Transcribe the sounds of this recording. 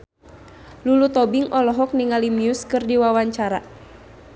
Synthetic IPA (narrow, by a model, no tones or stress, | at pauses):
lulut̪ɔbiŋɔlɔɦɔk̚niŋalimiuskɨrdiwawaɲt͡ʃaɾa